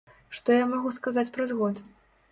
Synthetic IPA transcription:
ʂt̪ɔjamaɣuskazat͡sʲpɾazɣɔt̪

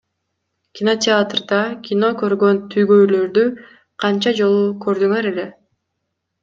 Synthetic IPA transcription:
kʲɪno̞tʲɪat̪rd̪ɑkʲʰino̞kø̞ɾɡø̞nt̪ʰyjɡøjlø̞ɾd̪y | qʰɑnt͡ʃɑd͡ʒo̞lˠukø̞ɾd̪yŋøɾe̞le̞

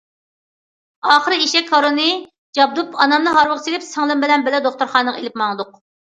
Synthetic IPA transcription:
ɑːχəɾɨiʃɛkʰːɑɾonɨ | d͡ʒɑb̚d̪upʰɑnɑmlɨɦɑɾwəʁsilɪpsəŋlˠɨmbɪlɛnbɪlɛd̪oχt̪uɾχɑːnəʁḛlɪpmɑŋd̪ʊq

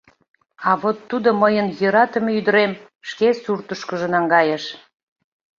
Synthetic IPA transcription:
ɑβot̪ːud̪oməjənjɤɾɑt̪əmeyd̪ə̆ɾem | ʃkesurt̪əʃkəʒə̆nɑŋɡɑjəʃ

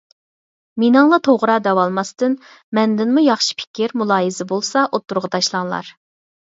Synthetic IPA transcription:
minɑŋlˠɑt̪ʰoʁɾɑd̪ɛwɑlˠmɑst̪ɨn | mɛnd̪ɪnmujɑχʃi̥pʰɪ̥kʲɪɾmulˠɑːjizɪbolˠsɑʔot̪ːuɾʁɑt̪ʰɑʃlˠɑŋlˠɑ̰ɾ

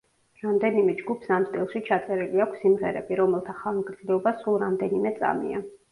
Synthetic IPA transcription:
ɾamd̪ɛnimɛd͡ʒɡupʰsamt̪ʼilˠʃit͡ʃʰat̪sʼɛɾiliakʰʷsːimʁɛɾɛ̰biɾɔmɛlˠt̪ʰaχalˠmɡɾd̪zlɛɔbasulˠɾamd̪ɛnimɛt̪sʼa̰mḭa

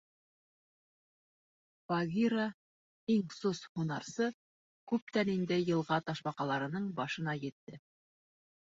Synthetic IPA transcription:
fɑɡʲiɾa | iŋsoshunɑɾsɤ | kʉp̚t̪ænind̪ɘjɤ̆lˠʁɑt̪ɑʃbɑqɑlˠɑɾɤ̆nɤɴbɑʃɤ̆nɑjɘ̆t̪ːɘ

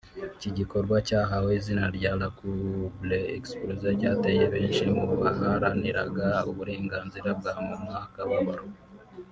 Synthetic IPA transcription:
iciɟiko̞ɾɡwacaːɦahoizinaɾɟalakubleeksplozaɾɟaːtejeβeːnʃimuaɦaɾaniɾa̰ɡauβuɾe̞ːŋɡaːnziɾab̚ɡahamemŋaːkaβaβaɾu

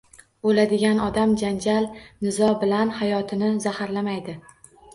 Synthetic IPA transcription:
bolad̪ɪɡʲanɒd̪amd͡ʒand͡ʒalnɪzɒbɪlanhajɒt̪ʰɪnɪzahaɾlamajd̪ɪ

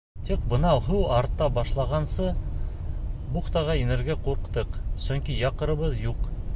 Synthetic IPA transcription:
t̪iq̚bɤ̆nɑwɦɘwɑɾt̪ːɑbɑʃlˠɑʁɑnsɤ | buχt̪ɑʁɑinɘ̆ɾɡæquɾqt̪ɤqsɵ̆ŋkijɑqɤ̆ɾɤ̆βɤðjuq

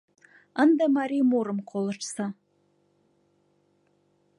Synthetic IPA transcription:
ənd̪amaɾʲimuɾɨmqʰolˠɨʈ͡ʂʰsa

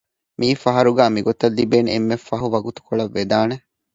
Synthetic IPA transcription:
miːfɐɦɐɾuɡæːmiɡot̪ɐlːibeːnemːefːɐɦuʋɐɡut̪u̥koɭɐʋːed̪aːne

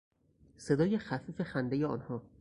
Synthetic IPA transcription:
se̞d̪ɒːje̞xæfiːfe̞xænd̪ejeɒːnhɒː

